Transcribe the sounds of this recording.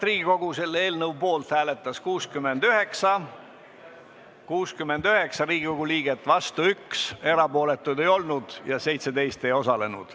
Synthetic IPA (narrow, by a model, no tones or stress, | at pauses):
riːɡ̥iko̞ɡ̥use̞lːeːlnɤwpo̞ːlt̪hæːle̞t̪ːˑɑskuːskymːe̞nd̪̥yɦe̞ksɑ | kuːskymːe̞nd̪yɦe̞ksɑɾiːɡiko̞ɡ̥uliːɡ̥e̞t̪ːˑvɑst̪uykse̞ɾɑpo̞ːle̞t̪ːˑujd̪e̞jo̞lnud̪̥jɑse̞jt̪sed̪e̞jst̪e̞jo̞sɑle̞nṵd̪̥